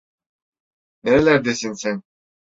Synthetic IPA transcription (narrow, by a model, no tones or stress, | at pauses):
neɾelæɾd̪esinsæn